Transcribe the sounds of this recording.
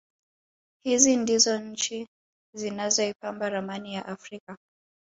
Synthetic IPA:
hizindizɔt͡ʃi | zinazɔipambaɾamanijaʔafɾika

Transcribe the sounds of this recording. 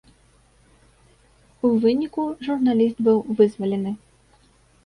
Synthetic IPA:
uvɨnʲikuʐurnalʲist̪bɨwvɨzvɐlʲɛnɨ

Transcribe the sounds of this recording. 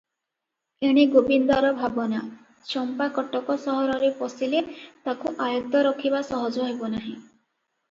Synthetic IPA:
eɽ̃eɡobind̪aɾɔbʱabɔna | sɔmpakɔʈɔkɔsɔɦɔɾɔɾepɔsilet̪akuʔajɔt̪ɔɾɔkʰibasɔɦɔd͡ʒɔɦebɔnaɦĩ

